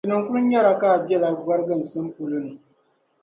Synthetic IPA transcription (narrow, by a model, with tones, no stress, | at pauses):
i˨nɨ˨ŋ˦ku˦ɾɨ˦ɲa˦ɾa˨ka˦˨bjɛ˦˨la˨ɡa˦ɾɡɨ˦˨n˨sɨ˦m˦po˨lo˦nɨ˨